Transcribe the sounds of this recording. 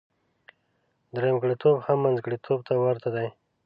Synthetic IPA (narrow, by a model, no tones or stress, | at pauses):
d̪əɾamɡɽit̪ʰobhamːanzɡɽit̪ʰob̚t̪ʰawaɾt̪ʰad̪aj